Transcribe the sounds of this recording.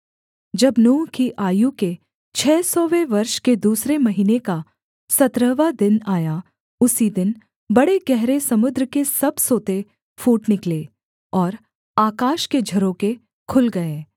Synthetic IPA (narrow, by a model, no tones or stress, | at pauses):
d͡ʒɐbnoːkiʔaːjũke | t͡ʃʰɛːsɔːʋeʋɐɾʃked̪uːsɾemɐɦiːneka | sɐt̪ɾəʋad̪ɪnaːja | ʊsid̪ɪn | bɐɽeɡɛɦɾesɐmʊd̪ɾəkesɐbsoːt̪e | fuːʈnɪkleː | ɔːɾ | aːkaːʃked͡ʒʱɐɾõke | kʰʊlɡɐeː